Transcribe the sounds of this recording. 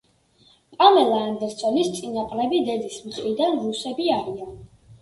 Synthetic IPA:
pʼamɛlˠaːnd̪ɛɾt̪sʰɔnist̪sʼinaqʼlɛbid̪ɛd̪ismtʼɾid̪anɾusɛbiaɾian

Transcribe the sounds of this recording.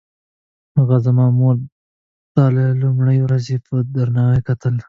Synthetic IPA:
ɣazamɑmol | t̪ɑlelumɽəjwɾazepəd̪aɾnɑwekat̪əl

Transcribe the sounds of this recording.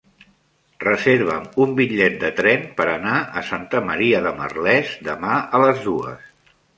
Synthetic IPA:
rəzeɾβ̞əmumbiʎːɛt̪̚d̪ət̪ɾɛmpəɾənaə̰sant̪əməɾiəðəmə̰rlɛzd̪əmaələzðuə̰s

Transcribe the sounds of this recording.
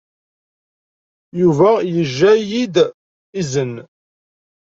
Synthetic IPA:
juvæjəʒːæjid̪ | izən

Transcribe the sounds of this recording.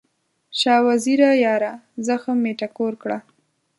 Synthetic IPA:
ʃɑwaziɾajɑɾazəxəmeʈakoɾkɽa

